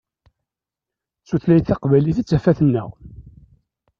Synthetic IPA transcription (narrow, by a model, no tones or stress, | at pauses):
suθlæjθɑqvæliθit͡sːæfæθənːə̰ʁ